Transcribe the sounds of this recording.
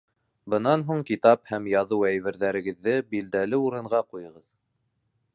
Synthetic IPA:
bɤ̆nɑnɦuɴkit̪ɑphæmjɑðɤwæjβɘ̆ɾðæɾɘ̆ɡɘ̆ðːɘbild̪æl̪ɘuɾɤ̆ɴʁɑqujɤ̆ʁɤð

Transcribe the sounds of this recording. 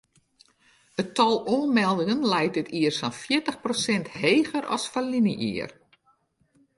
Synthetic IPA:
ətɔlˠoənmɛlˠdɪŋənlɛjt̚ɪtiərsɔnfjɪətəxprosɛntheːɣəɾɔ̰sfalinəʔḭər

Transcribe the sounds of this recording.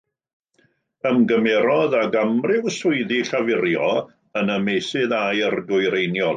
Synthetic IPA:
əmɡəmɛɾɔðaɡamrɪwsʊɨðiɬavɪɾjɔ | ənəmejsɪðajərɡʊɨɾejnjɔ

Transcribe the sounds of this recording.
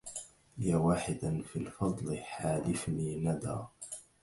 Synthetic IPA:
jaːwaːħɪd̪anfilfɑd̪ˤlɪħaːlɪfniːnad̪a̰ː

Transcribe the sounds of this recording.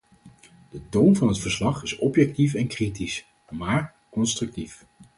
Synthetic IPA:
d̥ətownvɑnɦətfəɹslɑχɪsɔpjɛk̚tifɛnkritis | maːɹ | kɔnstrʏk̚tif

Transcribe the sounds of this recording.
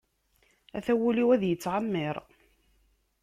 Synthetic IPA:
æθæwuliwæðjət͡sːʕamːiɪɾˤ

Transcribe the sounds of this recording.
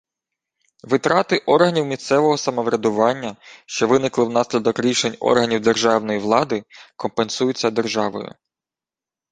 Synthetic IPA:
ʋɪt̪ɾɑt̪ɪʔɔrɦɐnʲiwmʲist̪sɛʋɔɦɔsɐmɔʋɾʲɐd̪ʊʋɑnʲːɐʃt͡ʃɔʋɪnɪklˠɪwnɑsʲlʲɐd̪ɔkɾʲiʃe̞nʲɔ̰rɦɐnʲiwd̪erʒɑwnɔjiʋlˠɑd̪ɪkɔmpensujʊt͡sʲːɐd̪erʒɑʋɔ̰jʊ̰

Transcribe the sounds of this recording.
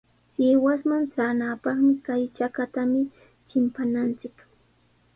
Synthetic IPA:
sɪːwasmant͡saːnapɑχmɪkajt͡ʃakat̪amɪ | t͡ʃɪmpanant͡sɪk

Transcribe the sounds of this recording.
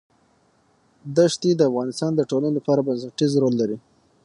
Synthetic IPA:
d̪əʂt̪id̪əafɣɑnɪst̪ɑnd̪əʈolanolapɑɾabansaʈizɾolːaɾi

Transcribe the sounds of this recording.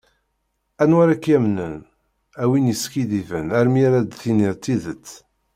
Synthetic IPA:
ænwaɾækːjæmnən | æwinjəskiðivənæɾmiaɾæd̪θiniɾt̪ːiðət͡sː

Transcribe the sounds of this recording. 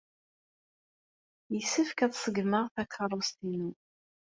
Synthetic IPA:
jəsːəfkæðsˤəɡməʁθækʰərˤːost̪inu

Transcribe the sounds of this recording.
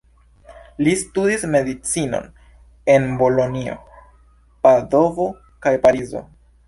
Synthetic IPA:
listudisme̞dit͡sino̰n | e̞nbo̞lo̞nio̞̰ | pado̞vo̞ | kajpaɾizo̞̰

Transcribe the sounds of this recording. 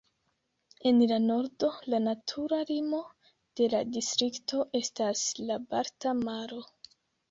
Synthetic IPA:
e̞nlano̞ɾdo̞lanatʰuɾalimo̞ | d̥e̞ladistɾiktʰo̞ʔe̞staslabaɾtamaɾo̞

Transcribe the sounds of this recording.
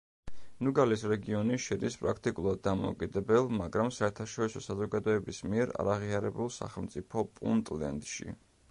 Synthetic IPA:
nuɡalisɾɛɡiɔniʃid̪ispʼɾakʰt̪ʼikʼulˠad̪ːamɔ̰ṵkʼid̪ɛbɛlˠmaɡɾamsaɛɾt̪ʰaʃɔɾisɔsazɔɡad̪ɔɛbismiɛɾa̰ɾaʁiaɾɛbulˠsa̰χɛlˠmt̪sʼipʰɔpʼṵnt̪ʼlɛ̰nd̪ʃḭ

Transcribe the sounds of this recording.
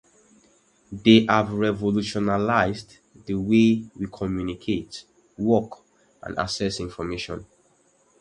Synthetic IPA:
deʔavɹɛvoluʃɔnalaɪzd | dəwewikʰɔmjunikʰet | wɔk | ã̰na̰sɛsĩnfɔmeʃɔ̰̃n

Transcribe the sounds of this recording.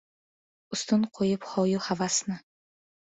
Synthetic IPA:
ʊst̪ʊnqʰojɪpχɒwjʊhavasnɪ

